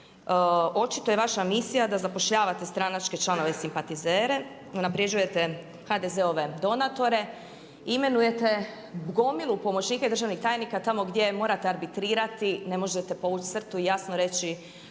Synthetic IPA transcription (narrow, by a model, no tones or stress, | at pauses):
o̞t͡ʃit̪o̞jeʋaʃamisijad̪azapo̞ʃʎaːʋat̪e̞st̪ɾanat͡ʃke̞t͡ʃlano̞ʋe̞simpat̪izeːɾe̞ | unapɾed͡ʒuje̞t̪e | xad̪e̞ze̞o̞ʋe̞d̪o̞nat̪o̞ɾe̞ | ime̞nuje̞t̪e̞ | bɡo̞milˠupo̞mot͡ɕniːkaid̪r̩ʒaʋnixt̪aːjnikat̪amo̞ɡd̪ʲje̞mo̞ːɾat̪eaɾbit̪ɾiːɾat̪ine̞mo̞ʒet̪epo̞ʋut͡ʃ̪sr̩t̪uijasnoɾe̞t͡ɕi